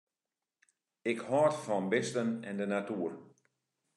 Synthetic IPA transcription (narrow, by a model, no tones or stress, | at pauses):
ɪkhɔːtfɔnbɪstənɛndənatuər